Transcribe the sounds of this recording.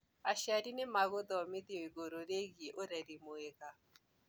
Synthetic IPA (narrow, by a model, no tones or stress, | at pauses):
aʃjadinɪmaɣʊd̪ɔmɪd̪ioiɡoɾoɾeɡiʔoɾaɾimoeka